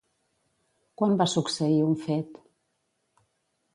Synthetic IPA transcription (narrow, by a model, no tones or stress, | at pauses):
kwambasuksəiuɱfɛt̪